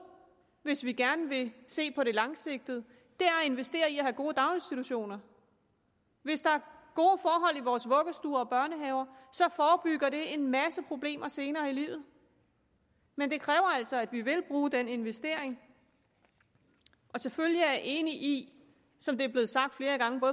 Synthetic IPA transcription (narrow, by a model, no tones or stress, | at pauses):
ʋe̝sʋiɡ̥æɐnəʋe̝se̝̰ːpʰɒ̽ɾe̝lɑ̈ŋse̝ɡ̥̚d̥ð̩ˠə | d̥e̝æɐe̝nʋesd̥e̝̰ːɐiæhæɡ̥o̝ːəd̥ɑ̈ʊe̝nsd̥it͡sʰuɕo̝̰ːnɐ | ʋe̝sd̥ɑ̈æɐɡ̥o̝ːfɒːɦɒ̽l̰iʋɒːsʋɔ̽ɡ̥əsd̥uːɐɒ̽b̥ɶɐnəɦɛːʊɐsɒ̽fɒːb̥yɡ̥ɐɾ̥e̝enmæsəpʰʁo̝b̥le̝̰ːmɐse̝ːnɐːilḭːʊð̩ˠ | mend̥e̝kʰʁɛːʊɐæl̰sɒ̽æd̥ʋiʋe̝lb̥ʁuːd̥ene̝nʋesd̥e̝̰ɐ̰eŋ | ʔɒ̽seføljijɑæɐʔe̝ːniʔi | sɒ̽md̥e̝æɐb̥le̝ð̩ˠsɑ̈ɡ̥̚d̥fle̝ːɐɡ̥ɑ̈ŋəbɔ̽ːð